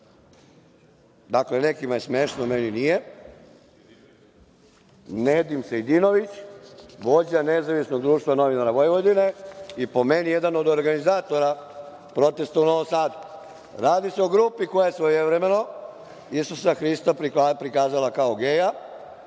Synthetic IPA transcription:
d̪akle̞nekimaje̞smeʃnomeninije̞ | ned̪imsejd̪ino̞ʋit͡ɕʋod͡ʑanezaʋisno̞ɡ̚d̪ɾuːʃt̪ʋano̞ʋinaɾaʋojʋod̪ine̞ipo̞menije̞d̪ano̞d̪oɾɡanizaːt̪o̞ɾa | pɾo̞t̪e̞st̪aunoʋosaːd̪u | ɾaːd̪ise̞o̞ɡɾuːpiko̞jajesʋojeʋɾemeno̞ | isusaxɾist̪appɾikaːzalakaoɡe̞ja

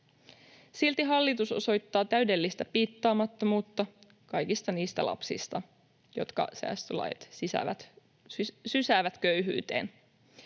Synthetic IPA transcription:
silt̪iɦɑlːit̪uso̞̰so̞jt̪ːɑːt̪æyde̞lːist̪æpiːt̪ːɑːmɑt̪ːo̞muːt̪ːɑ | kɑjkist̪ɑniːst̪æ̰lʔɑ̰psḭst̪ɑ | jo̞̰t̪kɑ̰sæ̰ːst̪ølɑ̰jɑ̰t̪sisæ̰ʋæt̪ | sysæːʋæt̪køɥɦy̰ːt̪e̞̰ːn

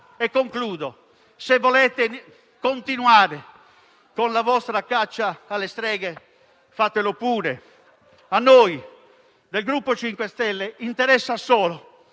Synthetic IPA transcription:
ɛkːoŋkluːðo | sevːɔlɛːt̪e | kont̪inuaːɾe | konlavɔst̪ɾakat͡ʃːaːlːest̪ɾɛːɣɛ | fat̪ːelopuːɾe | anːoːj | d̪elɡɾupːot͡ʃiŋkwɛst̪ɛlːeint̪ɛɾɛsːasɔːlo

